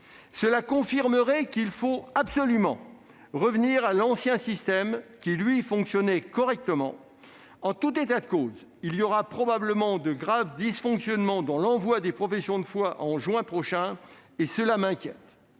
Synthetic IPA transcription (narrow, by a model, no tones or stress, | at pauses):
səlakɔ̃fiʁməʁɛkilfoabsɔlymɑ̰̃ | ʁəvniʁalɑ̃sjɛ̃sist̪ɛmkʲilɥifɔ̃ksjɔnɛkɔʁɛk̚t̪əmɑ̰̃ | ɑ̃t̪ut̪et̪ad̪əkoːz | iljɔʁapχɔbabləmɑ̃d̪əɡʁavd̪isfɔ̃ksjɔnmɑ̃d̪ɑ̃lɑ̃vwad̪epχɔfɛsjɔ̃d̪əfwaʔɑ̃ʒɥɛ̃pχɔʃɛ̃ | esəlamɛ̃kʲjɛ̰t̪